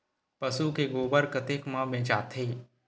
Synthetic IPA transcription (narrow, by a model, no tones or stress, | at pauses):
pɐsukeɡoːbəɾkət̪eːkmãbẽːt͡ʃaːt̪ʰeː